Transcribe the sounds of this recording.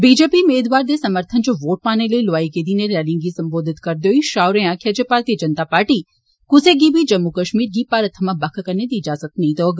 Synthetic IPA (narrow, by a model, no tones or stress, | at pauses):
bid͡ʒepimeːd̪ʋaːɾd̪esɐməɾt̪ʰənt͡ʃoʋoːʈ̚paːneləilʋaːikeːd̪ineɾɛːlɪ̃ŋɡisɐ̃mboːd̪ʱɪt̪kɐɾd̪joiʃaːwɾejãkʰed͡ʒepaːɾt̪ijəd͡ʒənt̪apaːɾʈi | kʊseɡibʱid͡ʒɐmːukəʃmiːɾɡiːpaːɾət̪ʰəmãbɐkʰkəɾned̪iːd͡ʒaːzət̪nɐɦĩt̪oɐɡ